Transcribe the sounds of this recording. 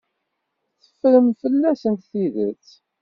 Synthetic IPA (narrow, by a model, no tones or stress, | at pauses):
θə̥fɾəmfəlːæsənt̪θiðə̰t͡sː